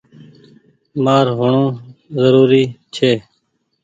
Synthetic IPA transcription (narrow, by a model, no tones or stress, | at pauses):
maːɾɦʊɳõːzəɾuːɾiːt͡ʃʰeː